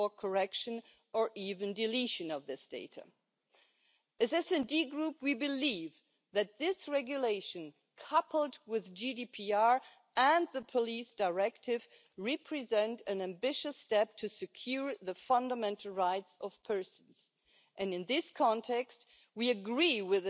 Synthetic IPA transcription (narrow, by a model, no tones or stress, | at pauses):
ə˞kʰə˞ɛkʃɨ̃n | ə˞ʔivɨ̃ndɨliʃɨ̃nʌvðɪsd̥eɪɾɨ̰ | ɨzɛsɛ̃ndiɡɹupwibɨliv | ðɨt̪̚ðɪsɹɛɡjɨleɪʃɨ̃n | kʰʌpʰl̩ˠdwɪðd͡ʒidipʰiɑɹ | ə̃nðəpʰəlisd̥aɪɹɛk̚tʰɪv | ɹɛpʰɹ̥izɛ̃ntɨ̃næ̃mbɪʃɨstɛp̚tʰɨsɨkʰj̥ʊɹðɨfʌ̃ndəmɛ̃ntʰˡl̩ˠɹaɪtsʌv̥pʰɜ˞sn̩z̥ | ʔɨ̃nɨ̃nðɪskʰɑ̃ntʰɛkst̚ | wiɨɡɹiwɪð